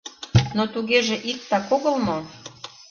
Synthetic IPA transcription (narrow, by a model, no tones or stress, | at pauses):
not̪uɣeʒĕʔik̚t̪ɑkoɣəlmo